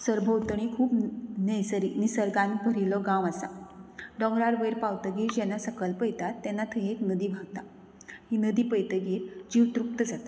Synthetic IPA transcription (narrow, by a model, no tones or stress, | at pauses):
səɾbʱəwt̪əɳ̃ikʰuːpnəjsəɾinisəɾɡãnbʱəɾilɔɡãʋasa̰ɖɔ̃ŋɡɾaɽʋəɾpawt̪əɡiːɾd͡ʑɛnːasəkəlpəjt̪at̪ːɛnːat̪ʰəeknəd̪iːbʱaɡt̪a | hinəd̪iːpəjt̪əɡiːɾd͡ʑiʋt̪ɾuk̚t̪əd͡zat̪ḁ